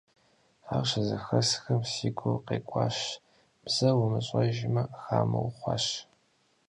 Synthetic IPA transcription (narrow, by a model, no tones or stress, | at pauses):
aːrɕɐzɐxɐsxɐmsiːɡʷoqeːkʷʼɑːɕ | b̥z̥ɐwʊmɨɕʼɐʒmɐxaːmɐ̰wχʷɑ̰ːɕ